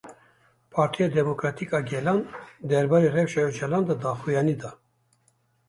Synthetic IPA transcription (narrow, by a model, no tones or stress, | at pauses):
pʰɑːɾt̪ʰijɑd̪ɛmokɾɑt̪ʰikɑɡʲɛlɑnd̪ɛɾbɑːɾirɛwʃɛjod͡ʒɛlɑːnd̪ɑd̪ɑːxujɑːnid̪ɑ